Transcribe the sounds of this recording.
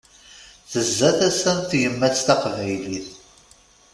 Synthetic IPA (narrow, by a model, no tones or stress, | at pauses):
θəzːæθæsænθjəmːæθt̪æqvæjliθ